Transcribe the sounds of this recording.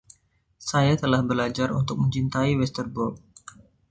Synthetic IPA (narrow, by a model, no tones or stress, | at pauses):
sajat̪əlahbəlad͡ʒarṵnt̪ʊk̚mə̃ɲt͡ʃint̪aiwɛst̪ərbɔrk̚